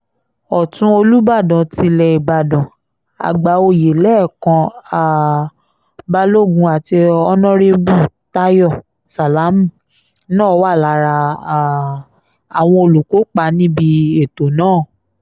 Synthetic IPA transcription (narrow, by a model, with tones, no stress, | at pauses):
ɔ˨tũ˦o˧lu˦ba˦˨dã˨ti˧lɛ˧i˨ba˨dɔ̃˨ | a̰˨ɡ͡ba˨˦o˧˨je˨lɛ˦˨kã˧a˨ | ba˧lo˦˨ɡũ˧a˨ti˧ɔ˧nɔ̃˦ɾe˧bu˦˨ | ta˦jɔ˦˨ | sa˨la˨˦m̩˦˨ | nãː˦˨˧wa˦˨la˨˧˦ɾa˧˨ | a˨w̃ɔ̃˧o˧˨lu˨ko˨˦k͡pa˧nĩ˦bi˧e˦˨to˨nãː˦˨